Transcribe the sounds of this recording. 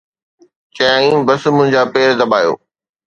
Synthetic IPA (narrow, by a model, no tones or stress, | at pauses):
t͡ɕɐjaːĩbɐsmʊ̃ɦɪ̃ɲd͡ʑaːpeːɾd̪ɐbaːjo̰ː